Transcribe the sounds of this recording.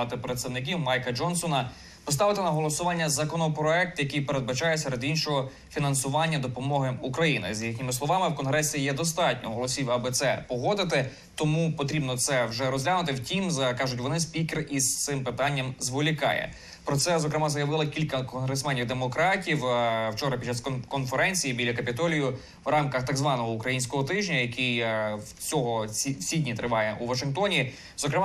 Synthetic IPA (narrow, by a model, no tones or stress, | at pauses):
ɑt̪ɪpɾet̪st̪ɐwnɪkʲiwmɑjkɐd͡ʒɔnsɔnɐ | pɔst̪ɑʋɪt̪ɪnɐɦɔlˠɔsʊʋɑnʲːɐzɐkɔnɔpɾɔɛk̚t̪jɐkijpeɾe̞d̪̚bɐt͡ʃɑjɛsɛɾed̪inʃɔɦɔ | fʲinɐnsʊʋɑnʲːɐd̪ɔpɔmɔɦɪukɾɐjinɪ̰zjixnʲɪmɪslˠɔʋɑmɪwkɔnɦɾɛsʲijɛd̪ɔs̬t̪ɑtʲnʲɔ̰ɦɔlˠɔsʲiwɐbɪt̪sɛpɔɦɔd̪ɪt̪ɪ | t̪ɔmupɔt̪ɾʲibnɔt̪sɛwʒɛɾɔzʲlʲanʊt̪̬ɪwtʲimzkɑʒʊtʲʋɔnɪsʲpʲikerist̪sɪmpɪt̪ɑnʲːɐmzʋɔlʲikɑ̰jɛ̰ | pɾɔt̪sɛzɔkɾɪmɑzɐjɐʋɪlˠɪkʲilʲkɐkɔnɦɾesmɛnʲiwd̪emɔkɾɑtʲiwwt͡ʃɔɾɐpʲit͡ʃːɑskɔnfeɾɛnʲt͡sʲijibʲilʲɐkɐpʲit̪ɔlʲijʊ | ʋrɑmkɐxt̪ɑɡzʋɑnɔɦɔukɾɐjinʲsʲkɔɦɔt̪ɪʒnʲɐjɐkij | t͡sʲɔɦɔisʲidʲnʲit̪ɾɪʋɑjɛʔuʋɐʃɪnkt̪ɔnʲi | zɔkɾɪmɑ